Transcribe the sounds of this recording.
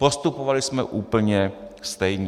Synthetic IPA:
post̪upovalɪsmɛʔuːpl̩ɲɛst̪ɛjɲ

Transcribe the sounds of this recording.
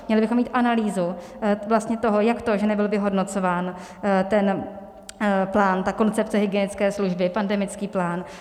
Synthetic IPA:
mɲɛlɪbɪxo̞mːiːt̪ʔanaliːzu | vlast̪ɲɛt̪o̞ɦo̞jakt̪o̞ʒɛnɛbɪlvɪɦo̞dno̞t͡so̞vaːn | t̪ɛn | plaːnt̪ako̞nt͡sɛp̚t͡sɛɦɪɡɪjɛnɪt͡skɛːsluʒbɪpandɛmɪt͡skiːplaːn

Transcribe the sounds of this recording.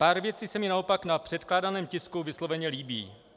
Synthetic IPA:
paːɾvjɛt͡sisɛmɪnaopaknapr̝̥ɛt̪klaːdanɛːmcɪskuvɪslo̞vɛɲɛliːbḭː

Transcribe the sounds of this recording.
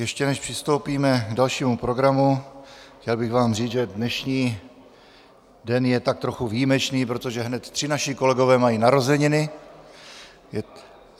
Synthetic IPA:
jɛʃcɛnɛʃpr̥ɪst̪o̞wpiːmɛɡdalʃiːmupɾo̞ɡɾamuxcɛlbɪɣvaːmriːt͡sʒɛdnɛʃɲiː | dɛnjɛt̪ak̚t̪ɾo̞xuvijimɛt͡ʃniːpɾo̞t̪o̞ʒɛɦnɛt̪t̪r̝̥ɪnaʃɪko̞lɛɡo̞vɛːmajiːnaɾo̞zɛɲɪnɪ | jɛ

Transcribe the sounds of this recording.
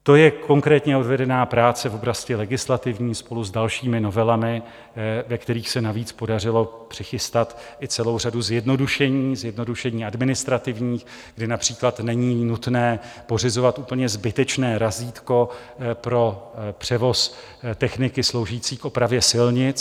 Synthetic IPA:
t̪o̞jɛko̞ŋkɾɛːt̪ɲɛo̞dvɛdɛnaːpɾaːt͡sɛvo̞bɾascɪlɛɡɪslat̪ɪvɲiːspo̞luzdalʃiːmɪno̞vɛlamɪ | vɛkt̪ɛɾiːxsɛnaviːt͡spo̞darɪlo̞pr̝̥ɪxɪst̪at̪ʔɪt͡sɛlowr̝aduzjɛdno̞duʃɛɲiːzjɛdno̞duʃɛɲiːadmɪnɪst̪ɾat̪ɪvɲiːx | ɡdɪnapr̝̥iːklat̪nɛɲiːnut̪nɛːpo̞r̝ɪzo̞vat̪ʔuːpl̩ɲɛzbɪt̪ɛt͡ʃnɛːɾaziːt̪ko̞ | pɾo̞pr̥ɛvo̞s | t̪ɛxnɪkɪslowʒiːt͡siːkʔo̞pɾavjɛsɪlɲɪt͡s

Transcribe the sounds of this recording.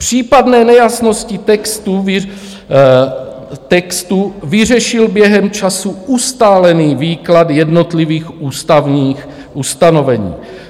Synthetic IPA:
pr̝̥iːpadnɛːnɛjasno̞scɪt̪ɛkst̪u | t̪ɛkst̪uvɪr̝ɛʃɪlbjɛɦɛmt͡ʃasuʔust̪aːlɛniːviːklad̪jɛdnot̪liviːxʔuːst̪avɲiːx | ʔust̪ano̞vɛɲḭː

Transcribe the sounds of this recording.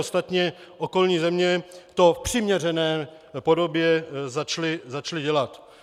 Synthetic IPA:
ost̪at̪ɲɛʔo̞ko̞lɲiːzɛmɲɛt̪o̞fpr̝̥ɪmɲɛrɛnɛː | po̞do̞bjɛzat͡ʃlɪzat͡ʃlɪɟɛlat̪

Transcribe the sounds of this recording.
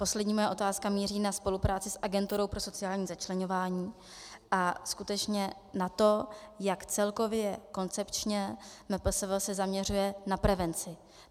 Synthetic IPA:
po̞slɛdɲiːmo̞jaʔo̞t̪aːskamiːriːnaspo̞lupɾaːt͡sɪsʔaɡɛnt̪uɾo̞wpɾo̞so̞t͡sɪjaːlɲiːzat͡ʃlɛɲo̞vaːɲiː | ʔaskut̪ɛt͡ʃɲɛ | nat̪o̞jakt͡sɛlko̞vjɛko̞nt͡sɛpt͡ʃɲɛmɛpl̩svlsɛzamɲɛr̝ujɛnapɾɛvɛnt͡sɪ

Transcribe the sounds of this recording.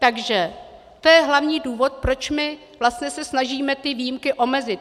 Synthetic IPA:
t̪aɡʒɛ | t̪o̞jɛɦlavɲiːduːvo̞t̪̚pɾo̞t͡ʃmɪ | vlast̪ɲɛsɛsnaʒiːmɛt̪ɪviːjimkɪʔo̞mɛzɪt̪̚

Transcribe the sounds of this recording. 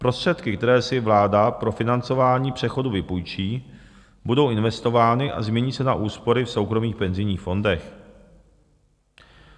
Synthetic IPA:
pɾo̞st̪r̥ɛt̪kɪkt̪ɛɾɛːsɪvlaːdapɾo̞fɪnant͡so̞vaːɲiːpr̝̥ɛxo̞duvɪpujt͡ʃiː | budo̞wɪnvɛst̪o̞vaːnɪʔa̰zmɲɛɲiːsɛnaʔuːspo̞ɾɪfso̞wkɾo̞miːxpɛnzɪjɲiːxfo̞ndɛx

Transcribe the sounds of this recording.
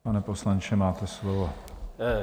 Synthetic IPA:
anɛposlant͡ʃɛmaːt̪ɛslovo

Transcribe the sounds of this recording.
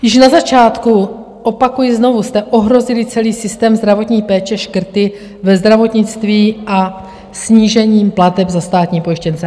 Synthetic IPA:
jɪʃnazat͡ʃaːt̪ku | ʔo̞pakujɪzno̞vust̪ɛʔo̞ɦɾo̞zɪlɪt͡sɛliːsɪst̪ɛːmzd̪ɾavo̞t̪ɲiːpɛːt͡ʃɛʃkr̩t̪ɪ | vɛzd̪ɾavo̞t̪ɲɪt͡st̪viːʔa | sɲiːʒɛɲiːmplat̪ɛbzast̪aːt̪ɲiːpo̞jɪʃcɛnt͡sɛ

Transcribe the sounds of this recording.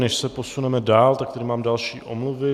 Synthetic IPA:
nɛʃsɛpo̞sunɛmɛdaːlt̪ak̚t̪ɛdɪmaːmdalʃḭːʔʔo̰mlʊvɪ

